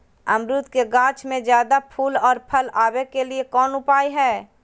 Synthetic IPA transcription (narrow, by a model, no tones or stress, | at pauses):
ɐmɾʊt̪keɡãːt͡ʃmẽzjaːd̪apʰuːlɔːɾpʰəlaːwekeliekɔːnʊpaːiɦɛː